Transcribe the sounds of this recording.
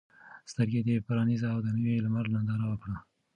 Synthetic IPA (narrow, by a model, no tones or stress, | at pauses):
st̪əɾɡed̪epaɾɑnizaːwd̪ənəwelmaɾnand̪ɑɾawəkɽə